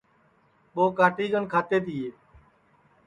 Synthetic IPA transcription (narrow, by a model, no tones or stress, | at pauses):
ɓoːkaːʈiːɡənkʰaːt̪eːt̪ɪːeː